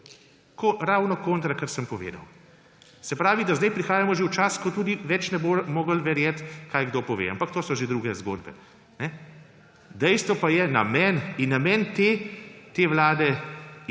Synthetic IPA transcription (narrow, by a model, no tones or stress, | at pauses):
koɾawnɔkõːnt̪ɾakəɾsəmpɔʋḛːd̪ɐw | sɛpɾaːʋid̪azd̪ɛjpɾixaːjamɔʒewt͡ʃaskɔt̪uːd̪iʋɛt͡ʃnɛbomoːɡəlʋɛɾjɛt̪kaːjɡd̪oːpɔʋḛːa̰mpakt̪oːsɔʒed̪ɾuːɡɛzɡo̰ːd̪bɛ̰ | nɛ | d̪ɛjst̪ʋɔpajɛna̰mɛninːamɛnt̪et̪eːʋwlaːd̪ɛ